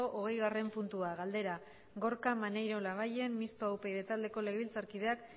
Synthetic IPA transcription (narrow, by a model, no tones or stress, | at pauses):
oʔoɣe̞jɣare̞mpunt̪uaɣald̪e̞ɾa | ɡo̞ɾkamane̞jɾo̞laβ̞aje̞mmist̪oawpe̞jðet̪ald̪e̞ko̞le̞ɣeβilt͡saɾkið̞e̞ak